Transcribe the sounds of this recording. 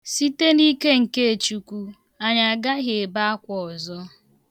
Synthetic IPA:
si˦te˦ni˦ke˦ŋ̩˨ke˦e˨t͡ʃu˨kʷu˦ | a˨ɲa˨a˨ɡa˦ɦe˨e˨ba˦a˦kʷɔ˨ɔ˨zɔ˦

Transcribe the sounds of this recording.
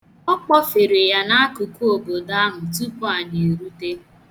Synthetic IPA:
ɔ˦k͡pɔ˦fe˨ɾi˨ja˦na˦a˦ku˨ku˦o˨ɡo˨da˦mʊ˨tu˦pɔ˦a˨ni˨ɾu˦te˦

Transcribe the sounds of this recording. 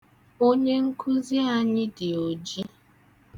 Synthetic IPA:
o˦ɲe˦ŋ̩˦kʰʊ˦zi˦a˦ɲɪ˦dɪ˨o˨d͡ʒi˦

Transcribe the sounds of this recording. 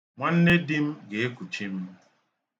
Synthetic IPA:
ŋʷa˦n̩˦ne˦di˦m̩˦ɡe˨e˦kʷu˨t͡ʃi˦m̩˦

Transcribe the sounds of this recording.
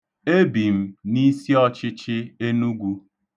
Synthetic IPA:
e˦bi˨m̩˦ni˦si˦ɔ˦t͡ʃɪ˦t͡ʃɪ˦e˦nu˦ɡʷu˦

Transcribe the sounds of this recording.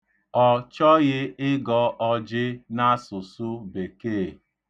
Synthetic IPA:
ɔ˨t͡ʃɔ˦ɣɪ˦ɪ˦ɡɔ˨˦ʔɔ˦d͡ʒɪ˦na˦sʊ˨sʊ˦be˨keː˦˨

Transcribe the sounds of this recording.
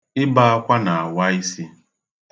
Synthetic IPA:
ɪ˦ba˦a˦kʷa˦na˨a˨wa˦i˦si˦

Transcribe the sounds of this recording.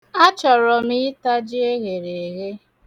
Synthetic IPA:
a˦t͡ʃɔ˨ɾɔ˨mɪ˦ta˦d͡ʒɪ˦e˦ɣe˨ɾe˨e˨ɣe˦

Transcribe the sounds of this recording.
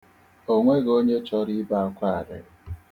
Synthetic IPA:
o˦ŋʷe˦ɣo˦ɲe˦t͡ʃɔ˦ɾi˦ba˦˨ŋ̩˦kʷa˦˨a˨dɪ̰˨

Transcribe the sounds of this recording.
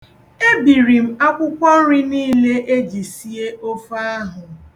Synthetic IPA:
e˦bi˨ɾi˨m̩˦a˦kʷʊ˦kʷɔ˦ɾɪ˦niː˦le˦ʔe˦d͡ʒi˨si˦e˦ʔo˦fa˦a˦ɦʊ˨

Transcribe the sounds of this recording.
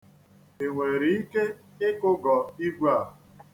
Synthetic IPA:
e˨ŋʷe˨ɾi˨i˦ke˦ | ɪ˦kʊ˦ɡɔ˨i˦ɡʷa˦˨

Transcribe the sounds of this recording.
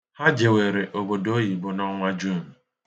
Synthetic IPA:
ha˦d͡ʒe˨we˨ɾe˨ʔo˨bo˨do˦ɦi˨bʊ˨nɔ˦ŋʷa˦d͡ʒu˦˨m̩˨

